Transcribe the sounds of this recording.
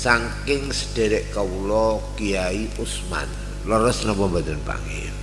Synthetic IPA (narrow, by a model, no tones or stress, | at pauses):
saŋkɪŋsə̥d̥e̤ɾɪʔkaulɔkijaiʔusma̰n | lɔɾɔsnɔmpɔmbat̪ʊnpa̰ŋḛj